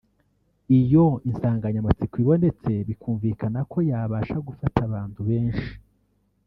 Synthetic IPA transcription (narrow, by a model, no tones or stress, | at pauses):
ijo̞insaːŋɡaɲamat͡sikwiβo̞ne̞t͡se̞βikʰuːɱvikanakʰo̞jaːβaːʃaɡufataβaːntuβe̞ːnʃi̥